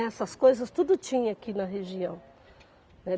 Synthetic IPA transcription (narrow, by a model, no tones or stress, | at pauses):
ɛsɐskojzɐst̪ud̪ʊt͡ʃĩɲɐakinɐɦeʒiɐ̃w̃ | nɛ